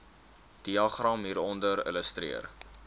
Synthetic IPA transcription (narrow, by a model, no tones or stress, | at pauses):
d̥iɑχrɐmɦiːɾɔndəɾə̰ləstrḭər